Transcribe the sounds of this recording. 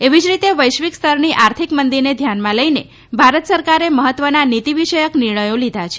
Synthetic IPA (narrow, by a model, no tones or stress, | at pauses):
eʋid͡ʒɾit̪eʋəjʃʋikst̪ʰəɾniʔaɾt̪ʰikmənd̪iɾned̪ʱjanmãləjne | bʱaɾət̪səɾkaɾeməɦət̪ːʋənanit̪iʋiʃəjəkniɾɳəjõlid̪ʱat͡ʃʰe̥